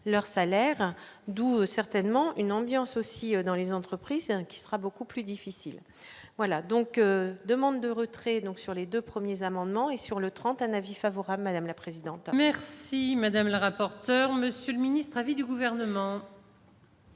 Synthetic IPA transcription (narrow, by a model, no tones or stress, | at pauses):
lœʁsalɛʁd̪uøsɛʁt̪ɛnmɑ̃ʔynɑ̃bjɑ̃sosiød̪ɑ̃lezɑ̃t̪χəpχizkʲi̥səʁabokuplyd̪ifisil | vwalad̪ɔ̃kød̪əmɑ̃d̪ːəʁət̪χɛd̪ɔ̃ksyʁled̪øpχəmjezamɑ̃d̪mɑ̃esyʁlət̪χɑ̃t̪ɛ̃navifavɔʁabləmad̪amlapχezid̪ɑ̃t̪mɛʁsimad̪amləʁapɔʁt̪œʁməsjøləminist̪χavid̪yɡuvɛʁnəmɑ̃